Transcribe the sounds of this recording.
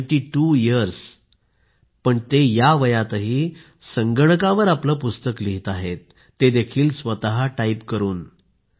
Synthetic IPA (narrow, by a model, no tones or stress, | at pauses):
ʈiːʈujiəɾs | pəɳt̪ejaʋəjat̪əɦiː | səŋɡəɳ̃kaʋəɾapləpust̪əkliɦit̪aɦet̪ː | ed̪ekʰiːlsʋət̪aɦaʈaipkəɾuːn